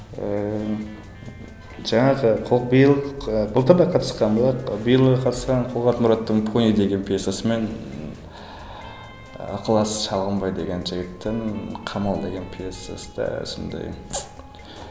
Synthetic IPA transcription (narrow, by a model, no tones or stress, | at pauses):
ə | ʒɑɴɑʁəqʰʊlˠbijəlˠbʊlˠt̪əɾd̪ɑqʰɑt̪ə̥sqɑnbɑlˠɑbijəlˠʁəqʰɑt̪əsqɑɴqʰʊlˠʁɑt̪mʊɾɑt̪ːəɴpʰonid̪e̞ɡʲe̞npʰijesasəme̞n | ɑ̰qəlˠɑsʃɑlˠʁəmbɑjd̪e̞ɡʲe̞nʒɪɡʲɪt̪ːenqʰɑmɑlˠd̪e̞ɡʲe̞npʰʲijesa̰səd̪ɑ̰so̰nd̪ɑ̰j